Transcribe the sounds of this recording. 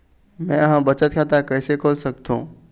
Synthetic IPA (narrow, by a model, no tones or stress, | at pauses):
mɛ̃ɐɦãbɐt͡ʃət̪̚kʰat̪akɐːsekʰoːlsɐk̚t̪ũː